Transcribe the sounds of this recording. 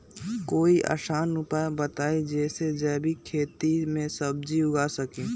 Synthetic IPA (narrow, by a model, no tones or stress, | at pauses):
koːiʔa̰ːʃaːnɾʊpabət̪aːid͡ʒɛːsed͡ʒɛːbʱikʰeːt̪imẽsəb̚d͡ʒiʊɡasəkẽː